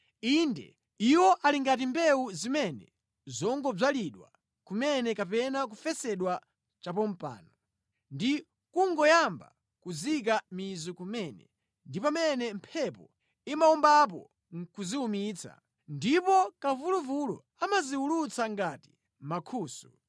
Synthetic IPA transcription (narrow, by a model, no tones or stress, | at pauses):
indɛ̰ | iwɔʔaliŋɡat̬imbɛuzimɛnɛ̰ | zɔŋɡɔb͡ʐaliɗwa̰ | kumɛnɛkap̬ɛnak̬ufɛsɛɗwa | t͡ʃap̬ɔm̩pa̰ːnɔ | ndi | kuŋɡɔjamba̰ | kuzikamizɔkumɛnɛ̰ | ndipamɛnɛm̩pʰɛpɔ | imaɔmbap̬ɔ̰ | ŋkuziumiːt͡sa̰ | ndipɔkavuluvulɔ̰ | amaziulut͡saŋɡati̥ | makʰuːsu̥